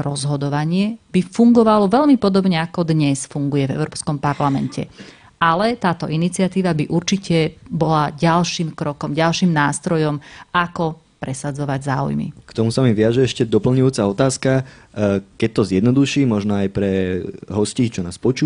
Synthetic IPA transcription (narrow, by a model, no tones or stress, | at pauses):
ɾɔzɦɔd̪ɔʋaɲɪɛb̥ifuŋɡɔʋalɔʋɛʎmipɔd̪ɔbɲɛakɔd̪ɲɛsfuŋɡujɛvɛ̰ʊɾɔːpskɔmpaɾlamɛ̰ncɛ̰ | ʔalɛt̪aːt̪ɔʔinit͡siɪat̪iːʋabiʔuɾt͡ʃicɛbɔlaɟalʃiːmkɾɔkɔmɟalʃiːmnaːst̪ɾɔjɔmakɔ | pɾɛsad͡zɔʋaɟzaːṵjmḭkt̪ɔmusamivɪaʒɛɛʃcɛd̪ɔpl̩ɲujuːt͡saɔt̪aːska | kɛc̚t̪ɔzjɛd̪nɔd̪uʃiːmɔʒnɔajpɾɛɦɔsciːt͡ʃɔnaːspɔt͡ʃuː